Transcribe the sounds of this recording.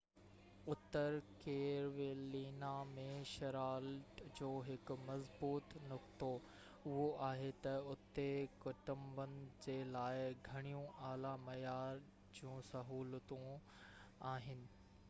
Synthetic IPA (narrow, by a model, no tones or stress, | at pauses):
ʊt̪ːəɾkeːɾʋeːliːnamẽʃɐɾaːlʈd͡ʑoːɦɪkʊ̆mɐzbuːt̪nʊkt̪o | ʊɦoʔaːɦet̪ɐʊt̪ːekʊʈə̃mbənɪ̆d͡ʑeːlaːɪɡʱɐɽ̃ijũʔaːlamɐjaːɾ | d͡ʑjũːsɐɦuːlət̪ũ | aːɦɪnɪ̆